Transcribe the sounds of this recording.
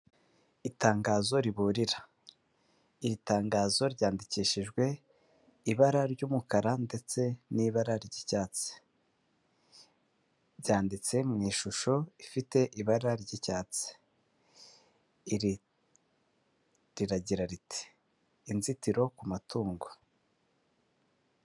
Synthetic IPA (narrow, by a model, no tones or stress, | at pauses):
itaːŋɡaːzo̞ɾiβuːɾiɾa | iɾitaːŋɡaːzo̞ɾɟaːndiciːʃiʒɡwe̞ | iβaɾaɾɟuːmukaɾande̞t͡se̞niβaɾaɾɟicaːt͡s | ɾɟaːndit͡se̞mŋiːʃuʃo̞ifite̞ʔiβaɾaɾɟicaːt͡se̥ | ɾ | ɾiɾaɟiɾaɾiti̥ː | nzitiɾo̞kumatʰuːŋɡo